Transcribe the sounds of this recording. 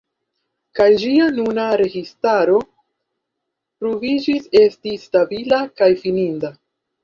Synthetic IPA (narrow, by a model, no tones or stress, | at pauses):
kajd͡ʒianunaɾe̞ɡistaɾo̞ | pɾovid͡ʒise̞stistabilakajfininda